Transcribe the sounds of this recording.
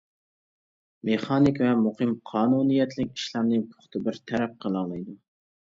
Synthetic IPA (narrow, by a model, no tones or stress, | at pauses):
meχɑnikʲvɛmuχɨmqʰɑːnunijɛt̪ʰlɪkʲi̥ʃlˠɑmnɨŋpʰʊ̥χt̪ʰɨbɪɾt̪ʰæɾɛp̚qʰəlˠɑŋlˠɨjd̪u